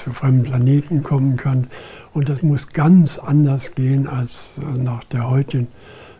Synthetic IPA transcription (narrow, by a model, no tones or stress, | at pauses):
t͡sufʁ̥ɛmbn̩pl̥aneːtn̩kʰɔmənkʰan | ʔʊntd̥asmʊsɡ̥ant͡sʔandɐsɡ̥eːənalsnaχd̥eːɐhɔʏtɪɡn̩